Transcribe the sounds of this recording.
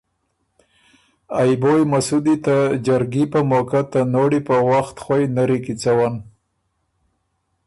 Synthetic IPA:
ajbojmasud̪it̪ad͡ʒaɾɡipəmokat̪ənoɽipəwaxt̪xwajnaɾikit͡sawan

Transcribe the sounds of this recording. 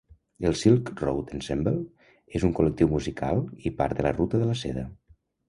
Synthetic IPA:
əlˠsilˠkrowt̪ənsɛmbəlˠ | ezuŋkulək̚t̪iwmuzikʰa̰lˠipaɾt̪ðələ̰rut̪əðələsḛðə̰

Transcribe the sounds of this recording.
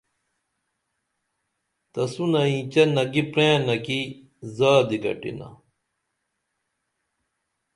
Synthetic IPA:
t̪ɐsunɐĩːt͡ɕɐnɐɡipɾẽːnɐki | zaːd̪iɡɐ̰ʈḭnɐ̰

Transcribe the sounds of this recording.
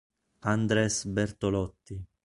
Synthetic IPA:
and̪ɾɛsbɛɾt̪olɔt̪ːi

